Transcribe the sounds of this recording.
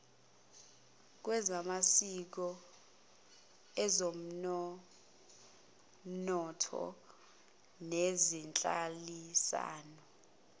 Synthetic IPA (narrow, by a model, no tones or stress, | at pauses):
k̬wɛzamasik̬ɔ | ɛzom̩ | nɔtʰɔ̰ | nezint͡ɬʼalisa̰ːnɔ